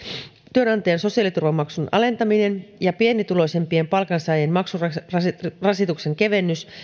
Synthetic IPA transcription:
t̪yønɑnt̪ɑjenso̞siɑlit̪urʋɑmːɑksunɑ̰le̞nt̪ɑmine̞njɑpie̞nːit̪ulo̞ise̞mpie̞mpɑlkɑnsɑjenmɑksuɑɑsrɑsit̪ukse̞ŋke̞ʋe̞nːys

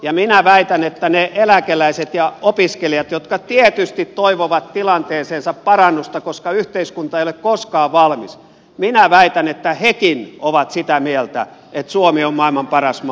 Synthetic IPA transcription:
jɑminæʋæit̪ænet̪ːæneʔelækelæiset̪jɑopiskelijɑt̪jot̪kɑt̪iet̪yst̪it̪toiʋoʋɑt̪t̪ilɑnt̪eːseːnsɑppɑrɑnːust̪ɑkoskɑyht̪eiskunt̪ɑeiolekkoskɑːʋʋɑlmis | minæʋæit̪ænet̪ːæhekinoʋɑt̪sit̪æmielt̪æ̰et̪suomiommɑˑilmɑmpɑrɑsm

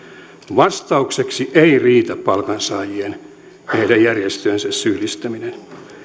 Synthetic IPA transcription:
ʋɑst̪ɑukseksiʔeiriːt̪æppɑlkɑnsɑːjien | hehdæjjærjest̪øːnsæssyhlist̪æminen

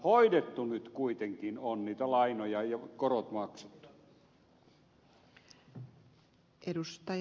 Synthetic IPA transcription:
hoidet̪ːunyt̪kuit̪eŋkinonniːt̪ælɑinojɑjɑkorot̪mɑkse̥t̪ːu̥ | ʔedust̪ɑ

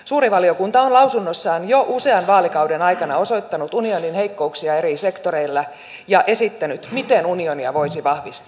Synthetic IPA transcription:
suːɾiʋɑlio̞kunt̪ɑonlɑwsunːosːɑːnjo̞ʔuse̞ɑnʋɑːlikɑwde̞nɑjkɑnɑo̞so̞jt̪ːɑnut̪unio̞ninhe̞jkːo̞uksiɑe̞ɾise̞kt̪o̞ɾe̞ilːɑ | jɑʔe̞sit̪ːænyt̪mit̪enunio̞niɑ̰ʋo̞isiʋɑhʋist̪

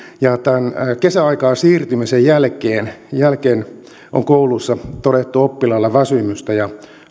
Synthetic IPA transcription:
jɑt̪ænːkesæɑikɑːsiːrt̪ymisejjælkeːnjælkeːn | ʔo̰ŋkoulusːɑt̪odet̪ːuopːilɑlːɑʋæsymyst̪æjɑ

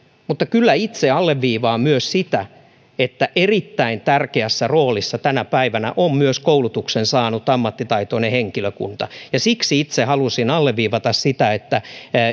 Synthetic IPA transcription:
mut̪ːɑkylːæit̪seɑlːeʋːiːʋɑːmyøssit̪æ | et̪ːæʔerit̪ːæint̪ærkeæsːæroːlisːɑt̪ænæpæiʋænæ̰ʔommyøskoulut̪uksensɑːnut̪ɑmːɑt̪ːit̪ɑit̪oneheŋkiløkṵnt̪ɑjɑsiksiit̪sehɑlusinɑlːeʋʋiːʋɑt̪ɑssit̪æet̪ːæ

